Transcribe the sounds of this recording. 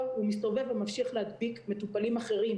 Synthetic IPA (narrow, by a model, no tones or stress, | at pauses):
umist̪o̞ve̞vemafʃiaχlehad̪bikme̞t̪upalimaχe̞ʁim